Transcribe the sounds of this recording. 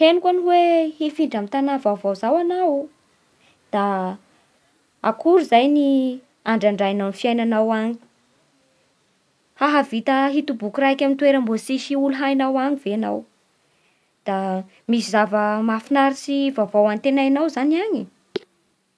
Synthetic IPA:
henikʷaniweefiɳɖ͡ʐamit̪anavavawzawanawu | d̪̥a | a̰kuɾuzajni | aɳɖ͡ʐaɳɖ͡ʐajananfiajnanawaɲi̥ | haɦavit̪əɦit̪ubukurajkʲamit̪weɾəmbosiʃiuluɦajnawaɲiveana̰w | d̪̥a | misizavəmafinaɾisivavawant̪enajanawzaniaɲi

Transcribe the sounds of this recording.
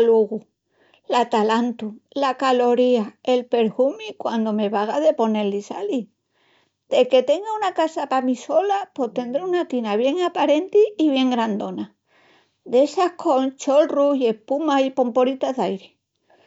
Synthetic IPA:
luɣu | lat̪alant̪ulakalo̞ɾiae̞lpe̞ɾhumikwand̪o̞me̞βaɣaðe̞po̞ne̞lːisali | d̪̥e̞ke̞t̪e̞ŋɡaunakasapamiso̞lapot̪e̞nd̪ɾeunat̪inaβ̞je̞ŋapaɾe̞nt̪iːβje̞ŋɡɾand̪o̞na | d̪e̞sahkʰo̞nt͡ʃo̞lruhie̞hpumaipo̞mpoɾit̪aðajɾe

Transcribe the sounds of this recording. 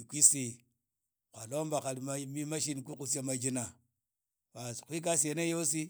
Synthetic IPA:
kʷisi | kʷalombakalmamimaʃ̬inkukus̬jamad͡ʒina | waskʷik̬asenajos̬i

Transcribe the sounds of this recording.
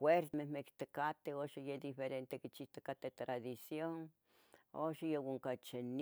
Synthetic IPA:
weɾmehmekt̪ekat̪eoʃajed̪ifeɾent̪ekit͡ʃiht̪ekat̪et̪ɾaðisjoŋ | oʃajewaŋkat͡ʃen

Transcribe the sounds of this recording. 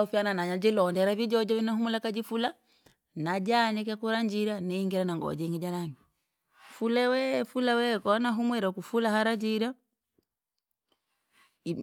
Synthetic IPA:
ufjananaɲad͡ʒilɔndɛɾavid͡ʒɔd͡ʒɔvinahumulakad͡ʒifula | nad͡ʒaɲɛk̬akuɾaɲd͡ʒiɾanɛŋɡɛɾanaŋɡɔ̰d͡ʒɛŋɡid͡ʒanaŋi | fulɛwɛfulawɛkɔnaɦumwɛɾakufulaɦaɾad͡ʒiɾa

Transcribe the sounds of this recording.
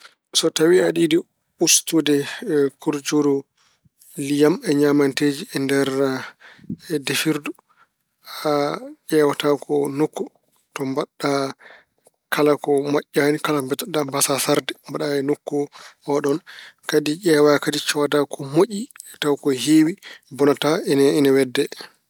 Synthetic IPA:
sɔtawiaɗidi | ustudɛkuɾd͡ʒodɔ | lijamɛɲamanteːd͡ʒiɛndɛɾ | defiɾdu | aʔɛːwatakʰɔnokːu | tɔmbaɗa | kalakɔmaʔːanikalaɔmbɛtɔɗambasasaɾdɛmbaɗaɛnokːuɔɗɔnkadiʔɛwakadit͡ʃɔwadakʰɔmoʔiɛtawkɔhewibɔnataɛnɛɛnawɛdːɛ

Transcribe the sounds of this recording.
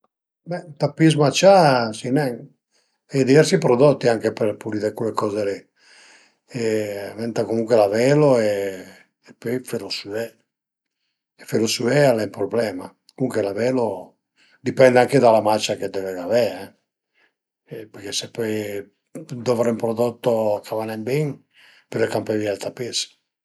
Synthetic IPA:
bɛt̪apizmat͡ʃːasinɛŋ | ɛd̪ivɛɾsipɾod̪ɔt̪ːiaŋk̟eperpuɾiðekuekɔːzelɛ | ɛvɛnt̪akomuŋkwelavɛloeː | pːɔjfeɾosuɛ | ɛfeɾosuɛalɛmpɾoblɛːma | kouŋkwelavɛːlo | d̪ipɛnd̪aŋked̪alamat͡ʃːaked̪ːɛvɛɣavɛɛ | pɛɾk̟esepɔj | d̪ɔvɾɛmpɾoðot̪ːoakʰavanɛmbiŋ | peɾekampevjɛlt̪apes

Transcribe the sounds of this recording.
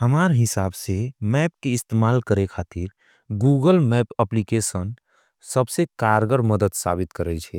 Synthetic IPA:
həmaːɾɦɪsaːbsemɛːp̚keɪst̪emaːlkəɾekʰaːt̪iɾ | ɡuɡəlmɛpəplikesən | səbsekaːɾɡəɾməd̪əd̪sa̰ːbɪt̪kəɾɛt͡ʃʰɛ

